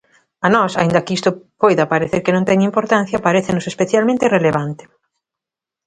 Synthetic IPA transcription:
anɔsa̰ind̪ɐkɪist̪ʊpojðɐpaɾeθeɾkɪnõŋt̪ɛɲɐimpoɾt̪an̟θjɐpaɾeθenʊsespeθjalmẽnt̪ɪreleβant̪ɪ̥

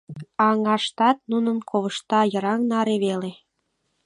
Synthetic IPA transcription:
ɑŋɑʃt̪ɑt̪̚nunənkʰoβəʃt̪ɑjəɾɑŋnɑɾeβele

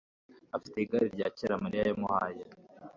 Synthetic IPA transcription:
afiteiɡaɾiɾɟaːceɾamaɾijajamuhaːje

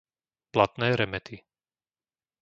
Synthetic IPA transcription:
plat̪nɛːɾɛmɛt̪ʰi

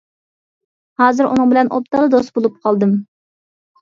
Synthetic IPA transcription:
hɑːzɨɾʔṵnɨŋbɪlɛnʔo̰p̚t̪ɑʁlˠəd̪ost̪̚bolˠup̚qʰɑlˠd̪ɨm

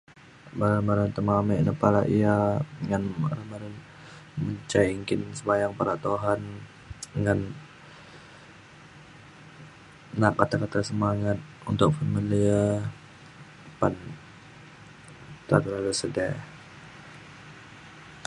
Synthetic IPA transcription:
baɾamaɾant̪əmamɛnəpaɾaʔiaŋanba̰ɾamaɾan | məɲt͡ʃaiŋkɪnsəbajaŋpaɾat̪oɦan | ŋan | nakat̪akat̪asəmaŋat̪̚ | unt̪ʊk̚familiə | pan | t̪at̪əɾalasədɛ

